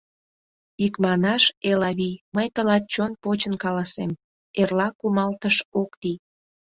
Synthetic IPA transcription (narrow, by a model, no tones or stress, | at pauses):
ikmɑnɑʃelɑβiməjt̪əlɑt̪̚t͡ɕonpot͡ɕənkɑlɑsem | erlɑkumɑlt̪əʃokt̪i